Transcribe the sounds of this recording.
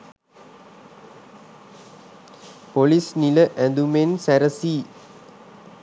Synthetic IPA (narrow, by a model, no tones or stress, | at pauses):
polisniləʔænd̪umensæɾəsiː